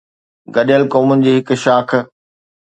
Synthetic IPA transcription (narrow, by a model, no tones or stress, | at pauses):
ɡɐɗjəlkoːmʊnɪ̆d͡ʑiːɦɪkʃaːk̆ʰ